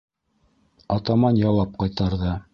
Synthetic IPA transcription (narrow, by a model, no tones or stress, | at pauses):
ɑt̪ɑmɑnjɑwɑp̚qɑjt̪ɑɾðɤ